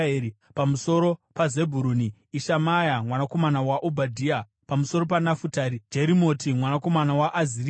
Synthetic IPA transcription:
ei | pamuso̞ɾo̞paze̞bʱuɾuːniː | ʃamajamwanako̞manawaʔobʱadʱiːa | pamuso̞ɾo̞panafutaɾid͡ʒeɾimo̞timwanako̞manawaʔːzir

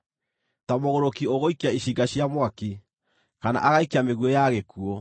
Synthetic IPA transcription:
tamoɣoɾokioɣoikeaiɕiɡaɕjamwaki | kana̰ʔaɣaikeameɣwejaɣekuɔ

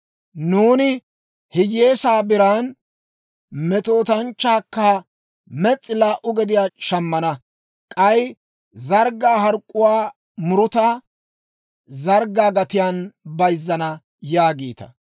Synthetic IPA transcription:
nuːnɪ | hɪjeːsaːbɪɾaːn | mɛt̪ʼo̞ːt̪ɐnt͡ʃːaːkːɐ | mɛt͡sʼːɪlaːʔʊɡɛd̪ɪjaːʃɐmːɐnɐ | kʼɐj | zɐɾɡaːɦɐɾkʼːʊwaː | mʊɾʊt̪a | zɐɾɡːaːɡɐt̪ɪjaːnbɐjzːɐnɐ | jaːɡiːt̪ɐ̥̰

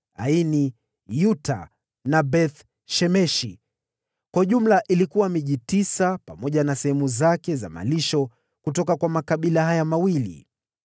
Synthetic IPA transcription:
a̰ini | juta̰ | nabɛθ | ʃɛmɛʃḭ | kwauʄum̩laʔilikuwamiʄitisapamɔʄanasɛhɛmuzakɛza̰ma̰liʃɔ | kutɔkakwamakaɓilahajamawilḭ

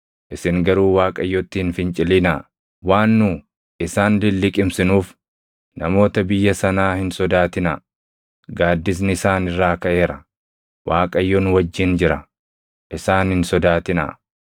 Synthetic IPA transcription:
ʔɪsɪŋɡɐɾuːwaːkʼɐjːɔt̪ːɪhɪnfɪnt͡ʃʼɪlɪnɐ | waːnːʊ | ʔɪsaːnlɪlːɪkʼɪmsɪnuːf | nɐmo̞ːt̪ɐbɪjːɐsɐnaːhɪnsɔd̪aːt̪ɪnɐ̰ | ɡaːd̪ːɪs̬nɪɪsaːnɪrːaːkɐʔe̞ːɾɐ | waːkʼɐjːɔnwɐd͡ʒːɪnd͡ʒɪɾɐ | ʔɪsaːnhɪnsɔd̪aːt̪ɪnɐ̰

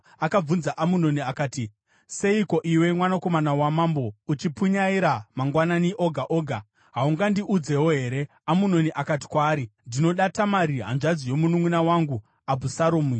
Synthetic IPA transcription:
akab͡vunzaʔamuno̞niakaːti | se̞iko̞ʔiwe̞mwanako̞manawamaːmbo̞ut͡ʃipuɲaiɾamaŋɡwananiʔo̞ɡʱaʔo̞ːɡʱa | ɦauŋɡandiʔud͡ze̞woɦe̞ːɾe̞ | amuno̞niʔakati̥kwaːɾindino̞ɗatamaɾiɦa̰nʐad͡zijo̞munumunawaŋɡu | abusaɾoːmi

